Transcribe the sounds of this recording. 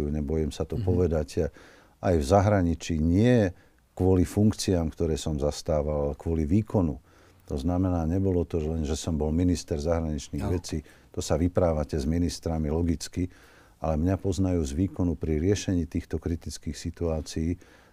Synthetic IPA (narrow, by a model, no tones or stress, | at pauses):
juɲɛbɔjɛmsat̪ɔpɔʋɛd̪ac | ʔajvzaɦɾaɲit͡ʃiːɲɪɛ | kʋʊɔlifuŋkt͡siaːmkt̪ɔɾɛːsɔmzast̪aːʋalkʋʊɔliʋiːkɔnu | t̪ɔznamɛnaːɲɛbɔlɔt̪ɔlɛnʒɛsɔmbɔlminist̪ɛɾzaɦɾaɲit͡ʃniːɣʋɛt͡siː | t̪ɔsaʋipɾaːʋacɛzminist̪ɾamilɔɡit͡ski | ʔa̰lɛmɲapɔznajuːzʋiːkɔnupɾiɾɪɛʃɛɲiːt̪iːxt̪ɔkɾit̪it͡skiːxsit̪uaːt͡siiː